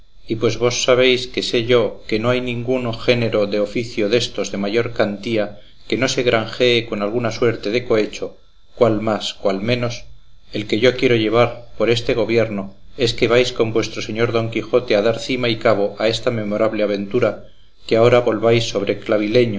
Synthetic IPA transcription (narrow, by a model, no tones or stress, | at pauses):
ipwe̞zβo̞sːaβ̞e̞jske̞se̞ʝo̞ke̞no̞ajnĩŋɡuŋxe̞ne̞ɾo̞ðe̞o̞fiθjo̞ðe̞st̪o̞zðe̞maʝo̞ɾkant̪ia | ke̞no̞se̞ɣɾʔaŋxe̞ːko̞nalɣ̞unaswe̞ɾt̪e̞ðe̞ko̞e̞t͡ʃo̞ | kwalmaskwalmẽno̞s | e̞lke̞ʝo̞kje̞ɾo̞ʝe̞β̞aɾpo̞ɾe̞st̪e̞ɣ̞o̞βje̞ɾno̞e̞ske̞β̞ajsko̞mbwe̞st̪ɾo̞se̞ɲo̞ɾðo̞ŋkixo̞t̪e̞að̞aɾθimaikaβ̞o̞ʔaest̪ame̞mo̞ɾaβle̞aβ̞e̞nt̪uɾa | keao̞ɾaβo̞lβajsːo̞β̞ɾe̞klaβ̞ile̞ɲo